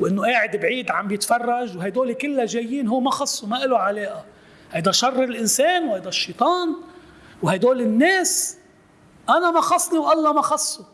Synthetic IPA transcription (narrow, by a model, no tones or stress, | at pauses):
wʔɪnːoʔeːʕɪd̪bʕiːd̪ʕambjɪt̪fɑrˤːɑʒwɦajd̪oːlikɪlːaʒejːiːnɦʊːmaxɑsˤːumaʔɪloʕaleːʔa | hajd̪aʃɑrˤːɪlʔɪnseːnwhajd̪aʃːit̪ˤɑːn | whajd̪oːlɪnːeːs | ʔanamaxɑsˤːniwʔɑlːɑmaxɑsˤːu